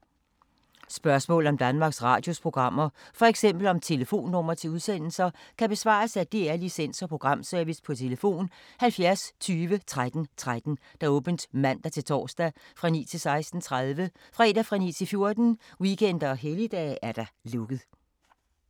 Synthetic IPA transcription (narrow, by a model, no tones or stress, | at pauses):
sb̥ɶɐsmɔ̰ːlɒ̽md̥ænmɑ̈ːɡ̥sʁɑ̰̈ːd̥jo̝spʰʁo̝ɡ̥ʁɑ̈m̰ɐfɒ̽eɡ̥sem̰b̥l̩ɒ̽mt͡sʰe̝ləfo̝̰ːnːɔ̽m̰ɐt͡sʰe̝uð̞ˠsen̰l̩sɐkʰæb̥e̝sʋɑ̰̈ːɐsæd̥iæɐlisen̰sɒ̽pʰʁo̝ɡ̥ʁɑ̈m̰søɐʋispʰɒ̽t͡sʰe̝ləfo̝̰ːnhælfjæɐst͡sʰyːʋət͡sʰʁad̥n̩t͡sʰʁad̥n̩d̥ɑ̈ɔ̽ːb̥ənd̥mæn̰d̥ɑt͡sʰe̝lt͡sʰɒ̰ːsd̥æfʁɑ̈nḭːt͡sʰe̝lsɑ̈ɪsd̥n̩t͡sʰʁaðˠʋəfʁɛ̰d̥æfʁɑ̈nḭːt͡sʰe̝lfjo̝ɐd̥n̩wikʰen̰d̥ɐɒ̽ɦelid̥ɛ̰ːæɐd̥ɑ̈lɔɡ̥ð̩ˠ